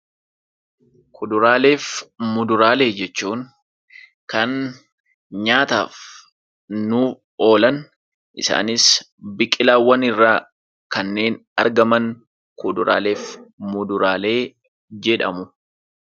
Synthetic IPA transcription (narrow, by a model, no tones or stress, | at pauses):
kʰʊd̪ʊɾaːle̞ːfmʊd̪ʊɾaːle̞ːd͡ʒɛt͡ʃːuːŋ | kɐn | ɲaːt̪a̰ːf | nuː | o̞ːlɐn | ʔɪ̰sa̰ːnɪs | bɪkʼɪlaːwːɐnɪrːaː | kɐnːe̞ːnɐ̰ɾɡɐmɐŋ | kʊd̪ʊɾa̰ːle̞ːfmʊd̪ʊɾaːle̞ː | d͡ʒɛᶑɐ̰mʊ